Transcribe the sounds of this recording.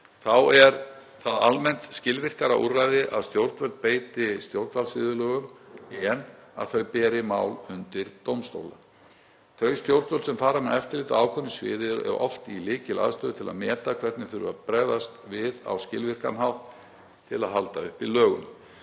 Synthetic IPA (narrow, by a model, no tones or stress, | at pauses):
θawɛɾ | θaðalmɛn̥t̪scɪlvɪr̥kaɾaʔṵrːajðɪʔaðst̪jowɾt̪vœlt̪̚peːjt̪ɪst̪jowɾt̪valsvɪːðʏlœːɣʏmiɛnːa̰ðθœɥpɛːɾɪmaːwlʏnt̪ɪɾt̪owmst̪o̰wla | θœɥst̪jowɾt̪vœlsɛmfaːɾamɛðɛft̪ɪliːt̪aaːwkʰɔnːɪsvɪ̰ːðɪɾɛ̰ɾɔ̰ft̪ilɪːcɪla̰ðst̪œːðʏt̪ʰɪla̰ðmɛːt̪akʰv̥ɛɾ̥t̪nɪθʏɾʏ̰a̰pɾɛðast̪vɪða̰wscɪ̰lvɪr̥ka̰nɦawht̪ʰː | ɪlaðɦalt̪aʏhpilœːɣʏn